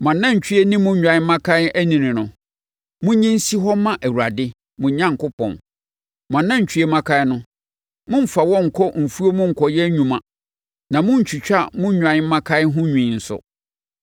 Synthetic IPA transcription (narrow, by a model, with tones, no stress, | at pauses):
mã˨nːã˦ɲ̩˨t͡ɕʰᶣi˦ɛ˦nĩ˦mʊ̃˦ɲᶣã˨˦mã˦kʰa˦æ˦nĩ˨nɪ̃˨nʊ̃˨ | mʊ̃˦ɲĩ˦n̩˦si˦ɦɔ˦mã˦ʔæ˨wu˨ɾa˨dɪ˦ | mʊ̃˨ɲ˦ɲã˦ŋ̩˨kʊ˦pʰɔ̰̃˨n | mã˨nːã˦ɲ̩˨t͡ɕʰᶣɥe˦mã˦kʰã˦nʊ̃˦ | mʊ̃˦m̩˦˨fa˨wɔ̃˦ŋ̩˨kʰɔ˦m̩˨fu˦o˦mʊ̃˦ŋ̩˨kʰɔ˨jɛ˦ɲᶣũ˨mã˨ | nã˨mʊ̃˦ɲ̩˨t͡ɕʰᶣi˨t͡ɕᶣa˦˨mʊ̃˦ã˨˦m˦mã˦kʰa˦ɦʊ̃˦ɲᶣĩ˨n̩˨sʊ̰˨